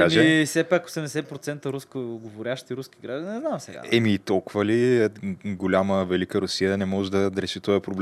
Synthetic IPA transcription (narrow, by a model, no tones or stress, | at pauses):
kaʒiɛsɛpako̥sɛmd̪ɛsɛpɾot̪sɛnt̪əɾuskəɡovoɾʲaʃt̪iɾuskiɡɾaʒd̪inɛznamsɛ̰ɡa̰ɛmit̪ɔlˠkʊvəli | ɡolʲaməvɛlikəɾʊsijənɛmɔʒd̪ɐd̪ɾɛʃit̪ɔjɐpɾoblɛ